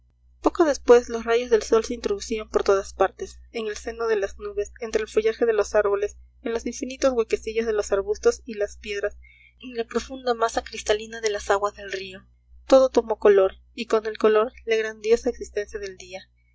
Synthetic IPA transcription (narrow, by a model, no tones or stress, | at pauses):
po̞koðe̞spwe̞zlosraʝo̞zðe̞lso̞lse̞int̪ɾo̞ðusiampo̞ɾt̪o̞ðaspaɾt̪e̞seŋe̞lse̞no̞ð̞e̞laznuβe̞se̞nt̪ɾeːlfo̞ʝaxe̞ðe̞lo̞saɾβo̞le̞s | enlo̞siɱfinit̪o̞zɣweke̞siʝo̞zðe̞lo̞saɾβust̪o̞silaspje̞ðɾas | eŋlapɾo̞fund̪amasakɾist̪alinaðe̞lasaɣwazðe̞lrio̞ | t̪o̞ðo̞t̪o̞mo̞kolo̞ɾ | iko̞ne̞lkolo̞ɾlaɣɾand̪jo̞saeksist̪e̞nsjaðe̞ld̪ia